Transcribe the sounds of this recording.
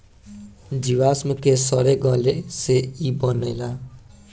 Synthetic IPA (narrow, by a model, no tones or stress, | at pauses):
d͡ʒiwasmukesʌɾeɡʌleseibʌnejla